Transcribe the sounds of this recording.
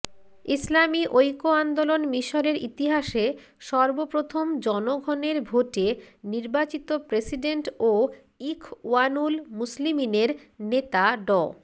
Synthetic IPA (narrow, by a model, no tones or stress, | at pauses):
islamiʔojkoand̪olonmiʃoɾeɾḭt̪iɦaʃe | ʃɔɾbopɾot̪ʰomd͡ʑɔnoɡʱɔneɾbʱoʈeniɾbat͡ɕit̪opɾesiɖeɳʈo | ikʰuanulmuslimineɾnet̪aɖɔ̰